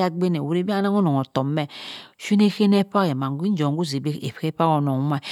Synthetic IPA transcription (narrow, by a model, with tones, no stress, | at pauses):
a˦ɡ͡be˦ne˨wu˨ɾe˦bi˦na˦ŋo˦no˨o˨to˨mɛ˦ʃe˦ne˦xe˦ne˦pa˦ke˨ma˨ŋ˨ɡʷi˦d͡ʒo˨ŋɡu˦˨ze˨be˦ḛ˨pke˦pa˦ko˨no˨˦ma˦